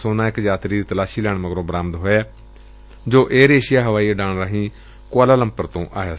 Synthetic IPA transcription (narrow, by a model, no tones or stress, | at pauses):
soːnãːɪkd͡ʒaːt̪ɾiːd̪iːt̪əlaːʃiːlɛːɳməɡɾõːbəɾaːmd̪ɦoːeː | d͡ʒoːʔeːɾeːʃɪjaːɦəʋaːiːeɖaːɳɾaːɦĩː | kʊaːlaːləmpəɾt̪õːʔaːɦaː